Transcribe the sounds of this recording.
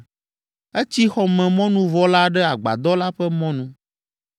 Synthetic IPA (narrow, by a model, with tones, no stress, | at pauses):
ɛ˦t͡ɕi˦xɔ˦mɛ̃˨mɔ̃˦nũ˦vɔ˦la˦ɖɛ˦a˨ɡ͡ba̰˨d̪ɔ˦la˦ɸɛ˦mɔ̃˦nũ˦